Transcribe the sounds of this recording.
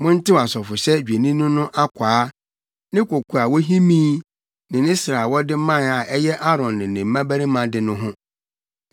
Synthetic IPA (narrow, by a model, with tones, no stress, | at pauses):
mʊ̃˦n̩˦tɪ˦wa˨sɔ˨fʊ˨sɛ˦d͡ʑᶣe˨nĩ˦nʊ̃˦nʊ̃˦ʔa˦kʷʰaː˨˦ | nɪ̃˦kʰo˨kʰu˨a˨wɔ˦ɦi˦mĩː˦ | nɪ̃˨nɪ̃˦sɾa˨wɔ˦dɪ˦mã˦˨a˨ʔɛ˦jɛ˦ʔa˦ɾɔ̃˨nːɪ̃˨nɪ̃˨m̩˦mã˦bæ˦ɾi˦mã˨dɪ˨nʊ̃˦ɦʊ̃˦